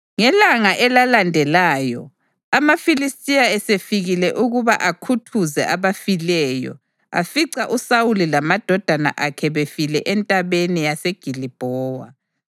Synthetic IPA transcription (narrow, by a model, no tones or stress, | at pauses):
ŋɛlaŋaʔɛlalandʱɛlaːjɔ̰ | amafilistʼijaɛsefiɣilɛʔuɣuβa̰ʔakʰutʰuzɛ̰ʔaβafilɛjɔ̰ | a̰fiǀaʔusawulilamad̥ʱɔd̥ʱana̰ʔakʰɛβefilɛʔɛntʼaβeniaseɡ̥ʱilib̥ʱɔːwa̰